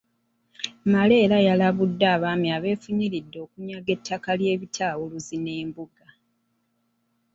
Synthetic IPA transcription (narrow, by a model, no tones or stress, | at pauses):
male̞ːlajalaβudːaːβaːmiaβe̞ːfuɲiɾidːo̞ːkuɲaɡe̞tʰːakalje̞ːβitʰawuluzine̞ːmbuɡa